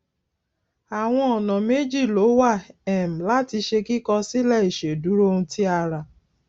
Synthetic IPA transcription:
a˨w̃ɔ̃˧ɔ˨nã˨me˨˦d͡ʒi˦˨lo˨˦wa˦˨ɛ˨m̩˨la˦ti˧ʃe˧ki˦kɔ˧si˦lɛ˦˨i˨ʃe˨du˨˦ɾo˦ũ˧ti˦a˧ɾa˧˨

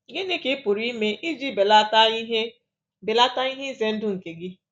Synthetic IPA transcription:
ɡe˦ne˦kɪ˦pʊ˨ɾi˦me˦ʔi˦d͡ʒi˦be˨la˦ta˦i˦ɦe˦ | be˨la˦ta˦i˦ɦe˦˨ze˦n̩˦dʊ˦ŋ̩˨ke˨ɡɪ˦

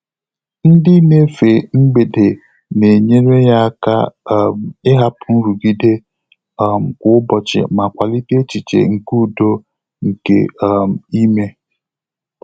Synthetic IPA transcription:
n̩˦dɪ˦ne˦fe˨ŋ͡m̩˦ɡ͡be˨de˨ | ne˨ɲe˦ɾe˦ja˦ka˦m̩˨ɪ˦ɦa˦pʊ˨˦n̩˦ɾu˨ɡi˦de˦˨ | m̩˨kʷʊ˦ʊ˦bɔ˨t͡ʃɪ̰˨ma˨kʷa˨li˦ti˦e˦t͡ʃi˨t͡ʃḛ˨ŋ̩˨ku˦˨do˦ | ŋ̩˨kḛ˦˨m̩˨i˦me˦

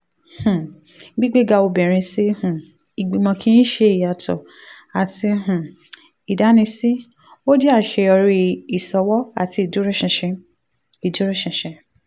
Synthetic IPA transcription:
hũ˨ | ɡ͡bi˦ɡ͡be˦ɡa˧o˧bɛ˨ɾ̃ĩ˧si˦hũ˨ | i˨ɡ͡bi˨mɔ̃˧kʰĩ˦ĩ˦ʃe˧i˨ja˨tʰɔ̰˨ | a˨ti˧ɦũ˨ | i˨da˨˦nĩ˧si˦ | o˦di˦a˦˨ʃe˧ɔ˧ɾi˧i˨sɔ˧wɔ˦a̰˦˨ti˧i˨d͡ʒu˨˦ɾɛ˦ʃĩ˧˨ʃĩ˧ | i˨d͡ʒu˨˦ɾi˦ʃĩ˧˨ʃɛ̃˧

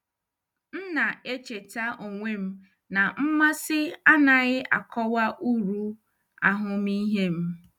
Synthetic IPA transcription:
n̩˦na˨e˦t͡ʃe˨ta˦ʔo˨ŋʷe˦m̩˦ | na˨m̩˦ma˦sɪ˦a˦na˨ɣɪ˦ʔa̰˨kʰɔ˦wa˦ʔu˦ɾu˦ | a˦ɦʊ˦mi˦ɦe˦m̩˦

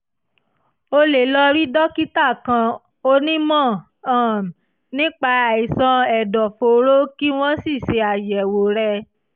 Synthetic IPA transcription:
o˧le˨lɔ˧ɾi˦dɔ˦ki˦ta˦˨kã˧ | o˦nĩ˦mɔ̃˦˨ | ã˨m˨ | nĩ˦k͡pa˧a˨i˨sɔ̃˧ɛ˨dɔ˨fo˨ɾo˦ki˦w̃ɔ̃˦si˦˨ʃe˧a˨jɛ˨wo˨ɾɛ˧

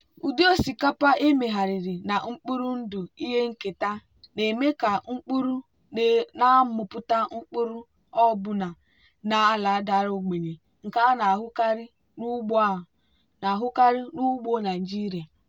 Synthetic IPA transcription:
u˨di˦o˦si˨ka˦pa˦ʔe˦me˨ɦa˨ɾɪ˨ɾi˨na˨ŋ͡m̩˦k͡pu˦ɾu˦n̩˦dʊ˨i˦ɦe˦ŋ̩˦ke˨ta˦ | ne˨me˦ka˨ŋ͡m̩˦k͡pu˦ɾu˦ | n˨na˦m̩˦mʊ˨pʊ˦ta˦ŋ͡m̩˦k͡pu˦ɾu˦ | ɔ˦˨bʊ˨na˨ | na˨a˦la˨a˦da˨ɾo˦ɡ͡be˨ɲe˨ | ŋ̩˨ka˦na˨ɦʊ˦ka˦ɾɪ˦ | nu˦ɡ͡b | na˨ɦʊ˦ka˦ɾɪ˦nu˦ɡ͡bo˦na˨d͡ʒi˦ɾi˨a˨

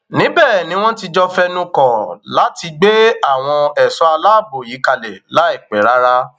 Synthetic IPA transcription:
nĩ˨˦bɛː˦˨nĩ˨˦w̃ɔ̃˦ti˧d͡ʒɔ˦fɛ˦nũ˦kɔ̃˨la˨˦ti˧ɡ͡be˦a˦˨w̃ɔ̃˧ɛ˨sɔ˨˦a˧la˦˨bo˨ji˨˦ka˧lɛ˨la˨˦i˦˨k͡pɛ˨˦ɾa˦ɾa˦

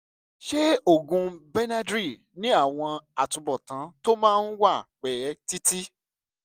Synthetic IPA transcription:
ʃe˦o˦˨ɡũ˧bɛ˦nã˦dɾi˦˨ | nĩ˦a˦˨w̃ɔ̃˧a˨tũ˧bɔ˨tã˨˦to˦mãː˦˧n̩˦wa˦˨k͡pɛ˨ɛ˨˦ti˦ti˦

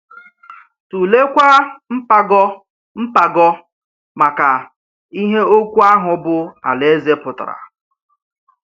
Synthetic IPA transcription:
tu˨le˦kʷa˦m̩˦pa˦ɡɔ˦ | m̩˦pa˨ɡɔ˦ | ma˨ka˨ | i˦ɦe˦o˦kʷu˦a˦ɦʊ˨bʊ˦a̰˨le˦ze˦pʊ˨ta̰˨ɾa̰˨

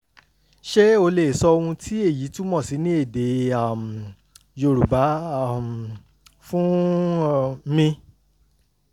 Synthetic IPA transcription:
ʃe˦o˧le˨sɔ˧o˧wũ˧tʰi˦e˦˨ji˨˦tũ˦mɔ̃˦˨si˨˦nĩ˦e˦˨de˨˦a˦˨m˨ | jo˧˨ɾu˨ba˨˦˨m˨ | fũ˦ | mĩ˧

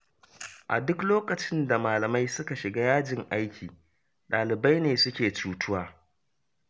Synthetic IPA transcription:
ʔa̰˨dʊ˦kloː˦kɐ˨t͡ʃɪ˦nda˨maː˨lɐ˨ma˦jsʊ˦ka˨ʃɪ˨ɡaː˦jaː˦d͡ʒɪ˨ŋʔa˦jkʲʰiː˨ | ɗaː˨lɪ˨ba˦jneː˨sʊ˦kʲeː˨t͡ʃuː˨tʰʊ˦waː˦

